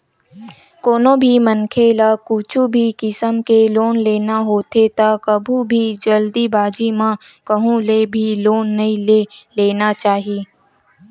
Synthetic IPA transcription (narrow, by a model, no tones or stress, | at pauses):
koːnobʱimənkʰelakuːt͡ʃʰubʱikɪsəmkeloːnleːnaɦoːt̪et̪akɐbʱũbʱid͡ʒɐld̪ibaːd͡ʒimãkɐɦũlebʱiloːnːɐĩleleːnat͡ʃaːɦieː